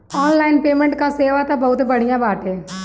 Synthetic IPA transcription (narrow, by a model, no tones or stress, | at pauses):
ɔːnlaːɪnpeːmẽɳʈkaseːʋat̪abɐɦʊt̪bəɽ̤ijãbaːʈẽː